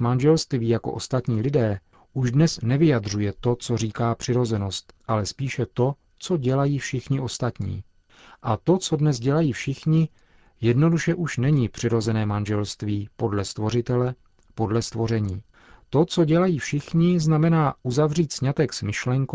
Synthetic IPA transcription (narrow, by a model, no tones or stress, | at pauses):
manʒɛlst̪viːjako̞̰ʔo̞st̪at̪ɲiːlɪdɛː | ʔuʒdnɛsnɛvɪjadr̝ujɛt̪o̞t͡so̞riːkaːpr̝̥ɪɾo̞zɛno̞st̪ʔalɛspiːʃɛt̪o̞ | t͡so̞ɟɛlajiːfʃɪxɲɪʔo̞st̪at̪ɲḭː | ʔat̪o̞t͡so̞dnɛzɟɛlajiːfʃɪxɲɪ | jɛdno̞duʃɛʔuʃnɛɲipr̝̥ɪɾo̞zɛnɛːmanʒɛlst̪viːpo̞dlɛst̪vo̞r̝ɪt̪ɛlɛ | po̞dlɛst̪vo̞ɾɛɲiː | t̪o̞t͡so̞ɟɛlajiːfʃɪxɲɪznamɛnaːʔuzavriːt̪sɲat̪ɛksmɪʃlɛŋk